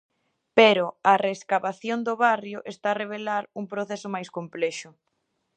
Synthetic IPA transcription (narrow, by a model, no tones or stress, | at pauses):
peɾʊareːskaβaθjond̪oβarjʊʔest̪areβ̞elaɾuŋpɾoθesʊmajskomplɛʃʊ